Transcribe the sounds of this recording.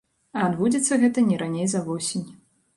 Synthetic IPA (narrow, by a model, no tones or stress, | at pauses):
ɐːd̪bud͡zʲit̪sːɐɣɛt̪ɐnʲɛɾanʲejzɐvɔsʲinʲ